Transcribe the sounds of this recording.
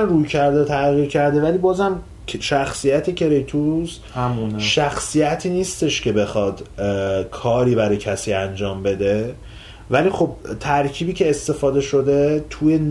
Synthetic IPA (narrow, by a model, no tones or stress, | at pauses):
mrujcʰæɾd̪et̪ʰæɣiːɾcʰæɾd̪e̞væliːbɒːzhæmʰ | ʃæxsijæt̪ʰecʰe̞ɾejt̪ʰus | hʃæxsijæt̪ʰiːniːst̪e̞ʃcʰe̞be̞xɒd̪̥kʰɒːɾiːbæɾɒjcʰæsiːænd͡ʒɒːmbe̞d̪e̞ | væliːxo̞b̚t̪ʰæɾcʰiːbiːcʰe̞ːst̪e̞fɒːd̪e̞ʃo̞d̪e̞t̪ʰujen